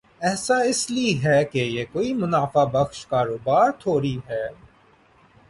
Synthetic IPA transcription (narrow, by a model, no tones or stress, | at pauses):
ɛːsaɪsliɦɛːkejekoːimʊnaːfabɐxʃkaːɾoːbaːɾt̪ʰoːɾiɦɛː